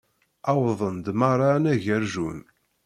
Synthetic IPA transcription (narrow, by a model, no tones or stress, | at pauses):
ɑwðˤənd̪mɑɾˤɑnæʝæɾʒun